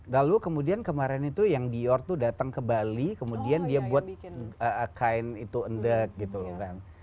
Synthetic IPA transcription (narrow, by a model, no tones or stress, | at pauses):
lalukəmudiankəmaɾɪnit̪ujaŋbiɔrt̪udat̪aŋkəmbalikəmudiandiabuat̪̚əkaɪnit̪uəndək̚ɡit̪ulɔkan